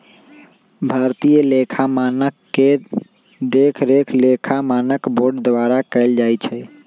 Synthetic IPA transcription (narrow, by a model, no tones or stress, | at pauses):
bʱaɾt̪ijəlekʰamanəkːe | d̪ekʰɾekʰlekʰamanəkboɾɖd̪ʋaɾakəɪld͡ʒajt͡ʃʰɛ